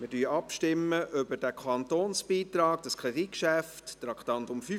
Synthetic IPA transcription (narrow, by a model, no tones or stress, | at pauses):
mɪdyːɑpʃtɪmːəʔʏbəɾd̥ækʰɑnt̪oːnsb̥iːt̪ɾɑːɡd̥ɑskʰɾedikʃæfttɾɑkt̪ɑnt̪ʊmfy